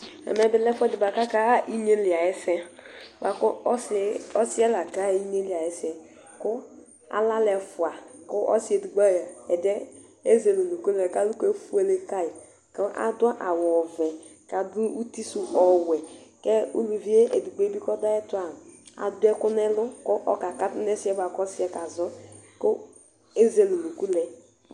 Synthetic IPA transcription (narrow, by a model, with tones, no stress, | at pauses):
ɛ̰˨mɛ˦bɪ˨lɛ˦fɛ˦dɪ˨ba˨ka˦ka˦ʔi˦ɲe˦li˨a˨jɛ˦sɛ˦ba˨kʊ˦ɔ˦si˦ɛ˦la˨ka˦i˦ɲe˦li˨a˨jɛ˦sɛ˨ | kʊ˦ | a̰˨la˦lɛ˨fʊ˨a˨kʊ˦ʔɔ̰˦si˦e˨du˨ɡ͡ba˦˨a˨ɛ˨dɛ˦ | e˦ze˨lo˨nu˨ke˦lɛ˨ka˦lu˦ke˦fu˦e˦le˦ka˦i˨ | kɔ˦ʔa̰˦dwa˦ʔa˨wɔ˨vɛ˨ | ka˨du˦u˦ti˦su˦ʔɔ˨wɛ˨kɛ˦ṵ˦lu˨vi˦e˦ʔe˨du˨ɡ͡be˦bi˦kɔ˦da˦ɛ˦tu˦a˨ | a̰˨du˦ɛ˦kʊ˦nɛ˦lʊ˦kʊ˦ʔɔ˦ka˨ka˦tne˦sɛ˦ba˨kɔ˦si˦ɛ˨ka˨zɔ˦ko˦ | e˦ze˦lu˨nu˨ku˦lɛ˨